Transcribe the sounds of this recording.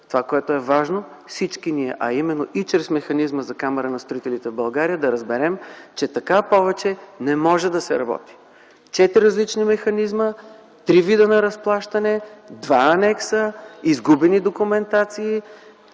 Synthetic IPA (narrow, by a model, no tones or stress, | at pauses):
t̪ovakoɛt̪oɛvaʒno | fsit͡ʃkiniɛʔɐimɛnːoʔit͡ʃɾɛsmɛxɐnizməzɐkamɛɾənɐst̪ɾoit̪ɛlit̪ɛvbɐlˠɡaɾijəd̪ɐɾɐzbɛɾɛmt͡ʃɛt̪ɐkapɔvɛt͡ʃɛnɛmɔʒɛd̪ɐsɛɾɐ̰bɔ̰t̪i̥ | t͡ʃɛt̪ɾiɾəzlit͡ʃnimɛxɐnizmə | t̪ɾivid̪ənɐɾɐsplˠaʃt̪ɐnɛd̪vaɐnɛksəizɡubɛnid̪okumɛnt̪at̪siː